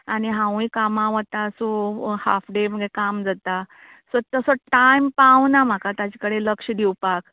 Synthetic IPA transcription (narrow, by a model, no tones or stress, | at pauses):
añiɦãwũikamãʋət̪asoha̰fɖem̤əɡekamd͡zat̪a | sət̪əsəʈajmpawnam̤akat̪at͡ɕikəɽeləkʂəd̪ʱiwpak